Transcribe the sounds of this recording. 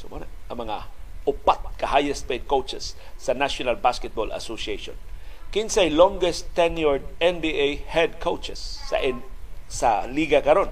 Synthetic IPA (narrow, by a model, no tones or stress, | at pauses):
somanaɐŋmɐŋaʔʊpat̪̚kɐhajɛsped̪̚kowt͡ʃɛsː | ɐnaʃonalbaskɛt̪̚bola̰sosieʃo̰nkɪnsajlɔŋɡɛst̪ːɛnjɔɹd̪̚ɛnbiʔejhɛd̪̚kʰowt͡ʃɛsːa̰ʔsaliɡakɐɾon